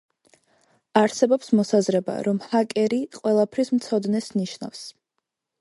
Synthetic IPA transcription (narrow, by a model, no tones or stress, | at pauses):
aɾsɛbɔpsmɔsazɾɛba̰ɾɔmhakʼɛɾiqʼwɛlˠapʰɾismt̪sʰɔd̪nɛsniʃna̰fs